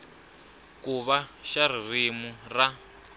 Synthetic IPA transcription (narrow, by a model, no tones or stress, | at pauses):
kuβaʃaririmura